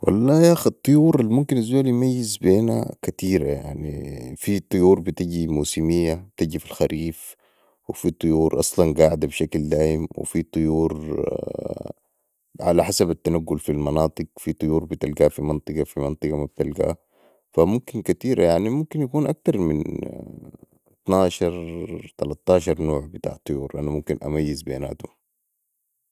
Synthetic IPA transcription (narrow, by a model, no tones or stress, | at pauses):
wʔɑ̰lˤːɑːjaxɑt̪ˤːɨjuːɾalmumkinazːaːljmajːizbeːna̰kat̪iːɾaja̰ʕnḭfit̪ˤɨjuːɾˤbit̪iɟimuːsimijːabt̪iɟifilxaɾʔiːf | wɪfit̪ˤɨjuːɾʔɑ̰sˤlɑnɡaːʕd̪abʃakld̪aːjimwḭfit̪ˤɨjuːɾ | ʕalaħasabat̪ːanaɡːʊlfilmɑnɑːt̪ˤɨɡfit̪ˤʊjuːɾbit̪alɡaːfimɑnt̪ˤɨɡɑfimɑnt̪ˤɨɡɑmab̚t̪alɡa̰ː | famumkinkat̪iːɾajaʕnimumkinjakuːnʔak̚t̪ɑɾˤmin | t̪naːʃɑɾˤt̪alɑt̪ːɑːʃ̬ɑɾˤnoːʕbɪt̪a̰ːʕt̪ˤːɨjuːɾʔanamumkinʔa̰majːɪzbḛːna̰ːt̪um